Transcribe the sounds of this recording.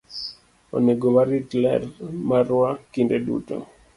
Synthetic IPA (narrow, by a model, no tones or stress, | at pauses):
o̰neɡomaɾitlɛ̰rmaɾʊwakindedṵto̰